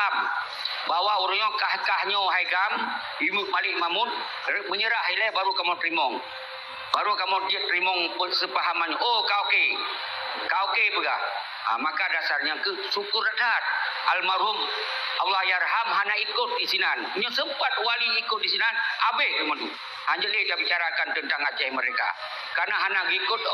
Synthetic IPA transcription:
am | bawaʔuɾuɲɔkahkahɲɔɦajɡam | imupalɪʔmamʊn | məɲəɾaɦilɛbaɾukamɔnɾimɔŋ | baɾukamʊtdɾimɔŋpəsəpaɦamanɲɔʔokaoke | kaokepəɡa̰h | a̰makadasarɲaŋkə | sukʊratat̚almaɾʊm | ʔawlahjaɾɦamɦanaikʊt̪̚disinanɲasəmpat̪̚waliːkʊt̚disinanabeimɔnu | haɲd͡ʒəʔditabit͡ʃaɾakant̪ənt̪aŋad͡ʒajməɾeka̰ | karnaɦanaɡikʊt̪̚

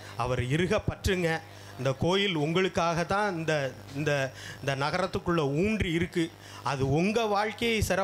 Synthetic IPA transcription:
ɐ̰ʋɐɾɪɾɯɣɐpːɐʈrɯŋɡɐ | ɪnd̪ɐkoːjɪlʊŋɡɐɭɯkːaːɣɐt̪ːãːɪnd̪ɐ | ɪnd̪ɐɪnd̪ɐnɐɣɐɾɐt̪ːɯkːɯɭːɐuːɳdriɪɾɯkːɯ | ɐðɯɔŋɡɐʋaːɻkɐjɐɪsɪɾɐ

